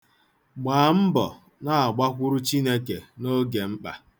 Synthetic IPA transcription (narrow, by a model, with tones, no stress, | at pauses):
ɡ͡baː˨m̩˦bɔ̰˨ | na˦a˨ɡ͡ba˦kʷʊ˦ɾʊ˦t͡ʃi˦ne˦ke˨no˦ɡe˨ŋ͡m̩˦k͡pa̰˨